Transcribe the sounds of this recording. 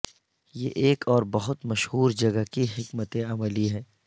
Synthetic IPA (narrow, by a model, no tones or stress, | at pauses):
jeːʔeːkʰɔːɾbɐɦʊt̪mɐʃhuːɾd͡ʒɐɡəkiɦɪkmət̪ẽɐməliɦɛ̃ː